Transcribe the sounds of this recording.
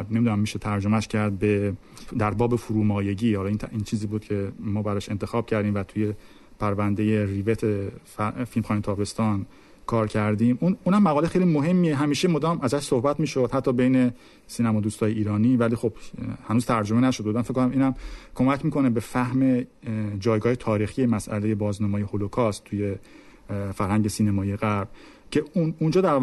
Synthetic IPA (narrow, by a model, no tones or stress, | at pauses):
nemid̪unæmːiʃet̪ʰæɾd͡ʒo̞mæʃcʰæɾd̪̚be | d̪æɾbɒːbefuɾuːmɒːje̞ɟiːhɒlinʰint͡ʃʰiːziːbuːd̪cʰe̞mɒːbæɾɒːʃe̞nt̪ʰexɒːb̥̚cʰæɾd̪iːmvæt̪ʰuje̞ | pʰæɾvænd̪e̞jerivet̪ʰe | filmxɑːnit̪ʰɒːbe̞st̪ɒːn | kʰɒːɾcʰæɾd̪ĩːmunuːnhæmːæɣɒːlexejlimoɦemːieɦæmiːʃemod̪ɒːmʔæzæʃsohbæt̪miːʃod̪hæt̪ʰːɒːbe̞jne̞ | siːnæmɒːd̪uːst̪ʰɒːjeiːɾɒːniːvæliːxo̞b̥hænuːz̥t̪ʰæɾd͡ʒomenæʃod̪umænfeckːonæmiːnæmkʰo̞mæcʰmiːkʰo̞nebe̞fæhme̞d͡ʒɒːjɡɒːhe̞t̪ʰɒːɾiːxijemæsʔæ̰le̞jebɒːznɒmɒːjeholokʰɒst̪ːʰuje | fæɾhæŋɟe̞siːnemɒːieɣæɾb̥̚ | cʰe̞unund͡ʒɒːd̪æɾ